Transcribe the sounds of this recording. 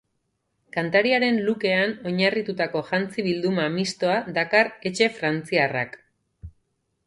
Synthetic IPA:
kant̪aɾiaɾe̞nluke̞ano̞ɲarit̪ut̪ako̞ʝant͡siβild̪umamist̪o̞aðakare̞t͡ʃe̞fɾant͡siara̰k

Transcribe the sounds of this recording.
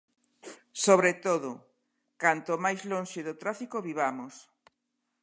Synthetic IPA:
soβɾet̪oðʊ | kant̪omajzlonʲʃeðot̪ɾafikoβiβamʊs

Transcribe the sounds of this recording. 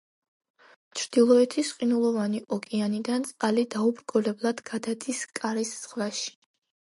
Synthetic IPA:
t͡ʃʰɾd̪̥ilˠɔɛt̪ʰisqʼinulˠɔvaniʔɔkʼianid̪ant̪sʼqʼalid̪aubɾɡɔlɛblˠad̪ɡad̪ad̪iskʼaɾisːʁvaʃi̥

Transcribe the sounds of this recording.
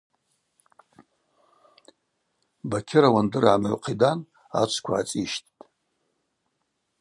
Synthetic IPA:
bakʲʰɪɾawandɨɾaːmaɥqʰidan | a̰t͡ʃʷʰkʷʰa̰ːt͡sʼiʃtʰʼtʼ

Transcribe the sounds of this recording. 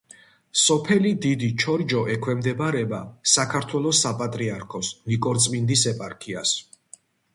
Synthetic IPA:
sɔpʰɛlid̪id̪it͡ʃʰɔɾd͡ʒɔʔɛkʰwɛmd̪ɛbaɾɛbasakʰaɾt̪ʰwɛlˠɔsapʼat̪ʼɾiaɾkʰɔsnikʼɔɾt̪sʼmind̪isɛpʼaɾkʰias

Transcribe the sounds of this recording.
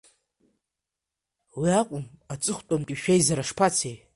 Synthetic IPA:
wiakʷʼʊmat͡sʼɨχʷtʼamkʲʼiʃᶣejzaɾaʂpʰat͡sʰej

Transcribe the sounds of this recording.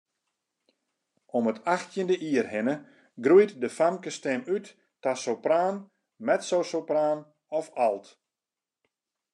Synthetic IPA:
ɔmətʰaxtjəndəʔiərhɪnə | ɡrujtdəfamkəstɛmytː | asowpraːn | mɛtsowsopraːn | ɔfalˠt

